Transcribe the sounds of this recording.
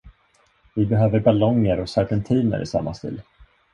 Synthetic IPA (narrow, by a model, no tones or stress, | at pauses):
vɪbɛɦøːvəɾbalɔŋːəɾɔsaɾɡɛnt̪ʰiːnə̰ɾʔɪ̰sa̰mːast̪ḭːl